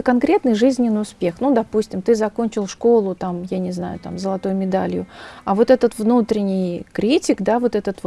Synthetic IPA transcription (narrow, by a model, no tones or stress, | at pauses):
kɐnkɾʲe̞t̪nɨjʐɨzʲnʲɪnːɨjʊspʲe̞xnud̪ɐpusʲtʲɪmt̪ɨzɐko̞nʲt͡ɕɪlˠʂko̞lˠʊt̪amjanʲɪzna̰jʊ̰t̪a̰mzəlˠɐt̪ojʊmʲɪd̪alʲjʊɐvo̞t̪ɛt̪ət̪vnut̪ɾʲɪnʲɪjkɾʲitʲɪkd̪avo̞t̪ɛt̪ət̪v